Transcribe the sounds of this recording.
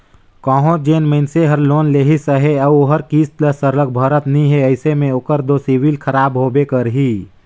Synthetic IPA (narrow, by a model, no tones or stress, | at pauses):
kɔ̃ːɦõd͡ʒeːnməɪnseɦəɾloːnleːɦisəɦeəboɦəɾkiːst̪ləsəɾlək̚bʱəɾət̪nəĩɦeəɪsemẽoːkəɾd̪osiwilkʰəɾaːbɦoːbekəɾɦiː